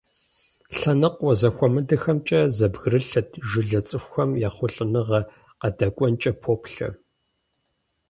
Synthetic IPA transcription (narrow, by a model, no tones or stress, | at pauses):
ɬɐnɨqʼʷːɔzɐxʷɔmɨdɨxɐmt͡ʃʼɐzɐbɣɨrɨɬɐtʰʒɪɮɐt͡sʼɨxʷɐmjaːχʷʊɬʼɨnɨʁɐ | qɐdɐkʷʼɔnt͡ʃʼɐpʰoːpɬɐ̰